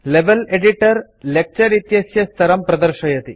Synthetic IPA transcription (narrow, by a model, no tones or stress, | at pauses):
leʋɐleɖiʈɐɾ | lek̚t͡ʃɐɾit̪jɐsjɐst̪ʰɐɾɐmpɾɐd̪ɐɾʂɐjɐt̪i